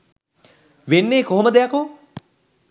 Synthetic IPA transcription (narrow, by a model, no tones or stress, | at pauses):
ʋenːeːkoɦoməd̪ejako